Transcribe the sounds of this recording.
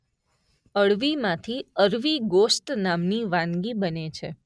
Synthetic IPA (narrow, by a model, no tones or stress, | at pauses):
əɭʋimãt̪ʰiəɾʋiɡost̪namniʋãnɡibənet͡ʃʰe